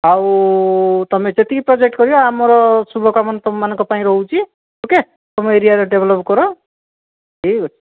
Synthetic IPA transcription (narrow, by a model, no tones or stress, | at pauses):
aw | t̪ɔmed͡ʒet̪ikipɾɔd͡ʒek̚ʈkɔɾijɔamɔɾɔsubʱɔkamɔnt̪ɔmːanɔ̃ŋkɔpaĩɾɔɦut͡ʃʰi | oke | t̪ɔmeeɾijaɾɔɖeblɔpkɔɾo | ʈʰio